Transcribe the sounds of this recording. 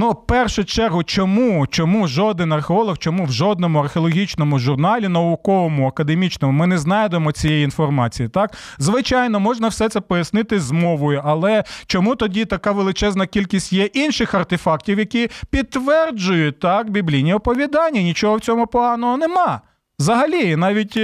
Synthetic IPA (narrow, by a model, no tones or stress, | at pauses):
nupɛrʃʊt͡ʃɛrɦʊt͡ʃɔmut͡ʃɔmuʒɔd̪ɪnɐrxeɔlˠɔxt͡ʃɔmuwʒɔd̪̚nɔmʊɐrxʲeɔlˠɔɦʲit͡ʃnɔmʊʒʊrnɑlʲinɐʊkɔʋɔmʊɐkɐd̪emʲit͡ʃnɔmʊmɪnɛznɑjd̪emɔt͡sʲijɛjiinfɔrmɑt͡sʲijit̪ɑkzʋɪt͡ʃɑjnɔmɔʒnɐwsɛt̪sɛpɔjɐsnɪt̪ɪzmɔʋɔjʊʔɐlˠɛt͡ʃɔmut̪ɔdʲit̪ɐkɑʋelˠɪt͡ʃɛznɐkʲilʲkʲisʲtʲjɛʔinʃɪxɐrt̪efɑk̚tʲiwjɐkʲipʲid̪̚t̪ːʋɛrd͡ʒʊjʊt̪ɑkbʲiblʲijnʲiɔpɔʋʲid̪ɑnʲːɐnʲit͡ʃɔɦɔwt͡sʲɔmʊpɔɦɑnɔɦɔnɛmɑ | zɐɦɐlʲinɑʋʲitʲ